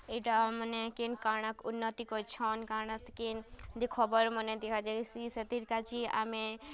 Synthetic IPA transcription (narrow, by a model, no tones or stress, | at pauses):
eʈamənekenkaɽ̃əkunːət̪ikɔt͡ʃʰɔnkaɽ̃ət̪kend͡ʒekʰɔbəɾməned̪ekʰad͡ʒeisiset̪iɾkat͡ʃʰia̰me